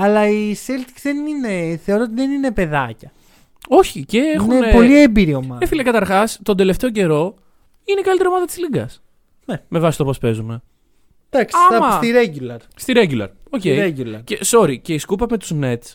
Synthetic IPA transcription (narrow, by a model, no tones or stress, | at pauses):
ɐlɐiselt̪i̥kzðenine̞θeoɾot̪iðenine̞pe̞ðɐcɐ | o̞çice̞exiunnepolliembiɾiomɐefilɐkɐt̪ɐɾxɐst̪o̞nd̪e̞le̞ft̪e̞o̞ce̞ɾo̞ | inekɐlit̪eɾomɐðɐt̪i̥zliŋɡɐs | neme̞vɐsi̥st̪opo̞spe̞zume̞ | d̪̥ɐksɐiɐmɐst̪iɾeɟulɐɾst̪iɾeɲɟulɐ̰ɾo̞cejeɟulɐɾceso̞ɾice̞iskupɐme̞t̪uzne̞t̪s